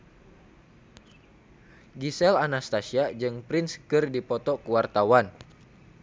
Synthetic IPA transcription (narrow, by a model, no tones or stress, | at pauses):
ɡisɛlanast̪asiad͡ʒɨŋpɾɪnskɨrdipɔt̪ɔkuwart̪awan